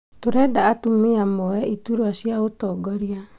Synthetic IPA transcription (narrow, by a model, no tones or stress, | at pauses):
toɾɛdaːtumiamɔɛituɾwaɕjaotɔːɡɔɾia